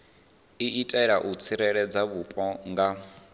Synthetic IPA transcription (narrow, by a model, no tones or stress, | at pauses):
iʔitʼɛɺaʔut͡sʰiɾɛɺɛd͡zaβupʼɔŋɡa